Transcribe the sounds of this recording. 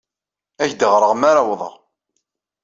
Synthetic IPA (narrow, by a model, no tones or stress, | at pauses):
æçd̪əʁɾˤəʁmaɾawðˤə̰ʁ